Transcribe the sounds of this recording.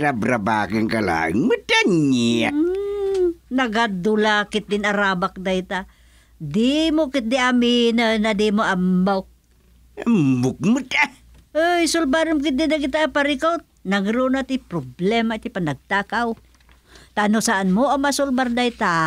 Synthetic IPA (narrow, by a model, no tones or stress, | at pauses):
tabɾaba̰ːkɪŋkala̰ːɪ̰ŋmətaɲia̰ | nɐɡad̪ʊlakɪt̪̚d̪ɪnaɾaːbak̚d̪ajt̪a | d̪imokɪt̪̚d̪iʔaminənad̪imoʔambawk̚ | ambʊk̚mɨta | ʔəjsʊlbaɾəmkɪt̪̚d̪ɪd̪aɡɪt̪apaɾɪkawt̪̚naŋɾunat̪ipɾoblɛmat̪ipanaɡ̚t̪akaw | t̪anosaʔanmoamaasʊlbaɾd̪ajt̪a